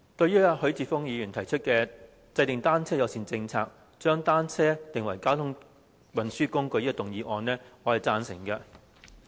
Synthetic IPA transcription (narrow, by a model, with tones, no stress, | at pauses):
t̪ɵ˧ɥjyː˥ɐ˧hɵ˨˥ɥt͡siː˨˩fʊ˥ŋjiː˨˧jyː˨˩nt̪ʰɐ˨˩jt͡ʃʰɵ˥t̚kɛː˧ | t͡sɐ˧jt̪ɪ˨˩ŋt̪aː˥nt͡sʰɛː˥jɐ˨˧wsiː˨nt͡sɪ˧ŋt͡sʰa̰ː˧k̚ | t͡ʃœː˥ŋt̪aː˥nt͡sʰɛː˥t̪ɪ˨ŋwɐ˨˩jkaː˥wt̪ʰʊ˥ŋ | wɐ˨nsyː˥kʊ˥ŋkɵ˧jiː˥˧t̪ʊ˨ŋjiː˨˧ʔɔː˧nlɛː˥ŋɔː˨˧hɐ˨jt͡saː˧nsɪ̰˨˩ŋkɐ˧